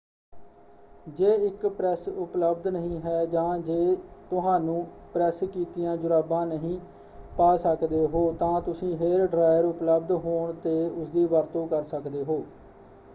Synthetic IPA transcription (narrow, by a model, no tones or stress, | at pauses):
d͡ʒeːɪkpɾɛːsʊpləbd̪nəɦĩːɦɛːd͡ʒãːd͡ʒeːt̪ʊɦãːnũːpɾɛːskiːt̪ijãːd͡ʒʊɾaːbãːnəɦĩː | paːsəkd̪eːɦoːt̪ãːt̪ʊsĩːɦeɾɖɾaːjəɾʊpləb̚d̪ɦoːɳt̪eːʊsd̪iːʋəɾt̪õːkəɾsəkd̪eːɦoː